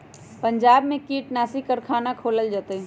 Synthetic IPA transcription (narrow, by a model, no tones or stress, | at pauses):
pəɲd͡ʒaːbmẽkiːʈnaːsikəɾkʰaːnakʰoːləld͡ʒat̪e